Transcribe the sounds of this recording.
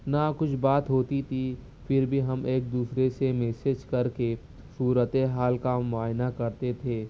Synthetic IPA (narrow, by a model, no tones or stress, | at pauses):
nakʊt͡ʃʰbaːt̪ɦoːt̪it̪ʰi | fɪɾbʱiɦɐmeːk̚d̪uːsɾesemɛːsed͡ʒkɐɾke | suːɾət̪eɦaːlkamʊaːjnakɐɾt̪et̪ʰeː